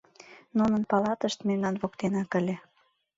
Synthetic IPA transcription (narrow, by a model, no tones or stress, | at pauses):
nunənpɑlɑt̪əʃt̪memnɑnβokt̪enɑkə̆lʲĕ